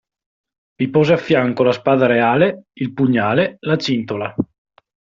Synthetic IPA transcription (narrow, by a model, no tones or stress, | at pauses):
vipɔːzeafːjaŋkolaspaːd̪aɾeaːleilpuɲːaːlelat͡ʃint̪ola